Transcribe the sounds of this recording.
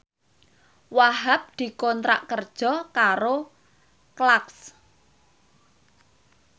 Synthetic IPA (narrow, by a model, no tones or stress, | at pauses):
waɦap̚d̪̥i̤kɔnt̪ɾa̰ʔkərd̥ʒ̥ɔ̤kaɾo | klaks